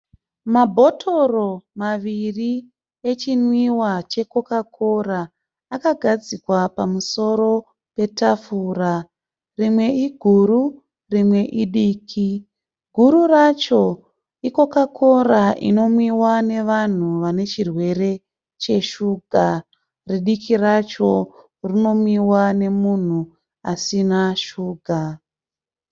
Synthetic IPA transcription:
mabʱo̞tʰoro̞maʋiri | e̞t͡ʃinwiwat͡ʃe̞ko̞kakʰoraː | kaɡʱad͡zikwapamuso̞ɾo̞ | pe̞tafura | rimwe̞iɡʱuɾu | rimwe̞ʔiɗiːkʰi | ɡʱuɾurat͡ʃo̞ | iko̞kakʰo̞raʔḭno̞mwiwane̞ʋan̤uʋane̞t͡ʃirwe̞ɾe̞ | t͡ʃe̞ʃuːɡʱa | riɗikʰirat͡ʃo̞ | rino̞mwiwane̞mun̤u | asinaʃuːɡʱa

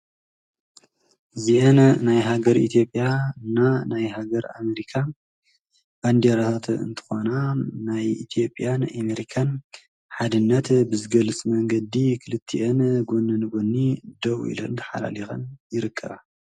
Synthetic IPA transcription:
ziʔɐnnajɦaɡɐɾit̪ʰijo̞pʼːjanːanajɦaɡɐɾa̰meɾikʰa | b̥and̪eɾat̪ʰat̪ɨ̰nt̪ʰɨ̥xo̞nanajḭt̪ʰijo̞pʼjanameɾikʰan | ħad̪ɨnːɐt̪bɨzɨɡɐlɨt͡sʼmɐŋɡɐd̪ikʰɨlɨt̪ʰːiʔɐnɡonːɨnɨɡonːid̪ɐwʔḭlo̰nt̪ʰɐ̥ħa̰la̰lixɐ̰njɪɾɨkʰːɐβa̰

